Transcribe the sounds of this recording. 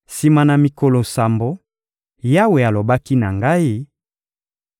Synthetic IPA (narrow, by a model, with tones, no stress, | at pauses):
si˨ma˨na˨mi˨ko˨lo˨sa˨mbo˨ | ja˦we˨a˨lo˨ba˦ki˦na˨ŋɡa˦i˦